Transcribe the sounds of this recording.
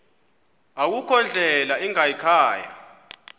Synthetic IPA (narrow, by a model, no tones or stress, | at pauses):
ak̬ukʰɔnd͡ɮʱɛlaiŋaikʰaːja̰